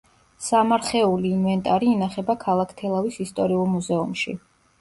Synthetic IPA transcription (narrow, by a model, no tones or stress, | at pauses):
samaɾχɛuliːnvɛnt̪ʼaɾiːnaχɛbakʰalˠakʰt̪ʰɛlˠavisist̪ʼɔɾiulˠmuzɛumʃḭ